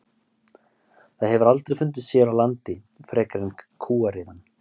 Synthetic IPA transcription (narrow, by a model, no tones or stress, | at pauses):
θaðɦɛvʏɾalt̪ɾejfʏnt̪̬ɪsjɛɾawlant̪ɪ | fɾɛːkaɾɪnkʰuːaɾɪðanː